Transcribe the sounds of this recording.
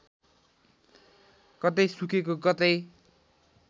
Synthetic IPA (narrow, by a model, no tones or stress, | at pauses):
kʌt̪ʌjsukekokʌt̪ʌj